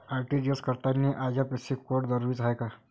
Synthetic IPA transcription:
aːɾʈid͡ʒeskəɾt̪aneʔaːd͡ʒapesikkoʈd̪əɾuit͡ʃɦaeka

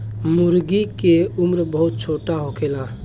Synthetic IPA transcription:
muɾɡikeumɾbəɦut̪̚t͡ʃʰoʈaɦokela

